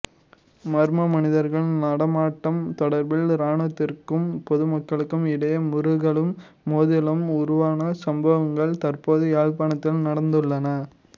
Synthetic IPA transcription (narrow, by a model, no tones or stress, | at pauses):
mɐɾmɐmɐnɪðɐɾɣɐɭnɐɽɐmaːʈːɐmt̪ɔɽɐɾbɪlɾaːɳɐt̪ːɪrkɯmpɔðɯmɐkːɐɭɯkːɯmɪɽɐjɐmʊɾʊɣɐɭɯmː | oːðɪlɐmʊɾʊʋaːnɐsɐmbɐʋɐŋɡɐɭt̪ɐrpoːðɯaːɭpaːɳɐt̪ːɪlnɐɽɐnd̪ɯɭːɐnɐ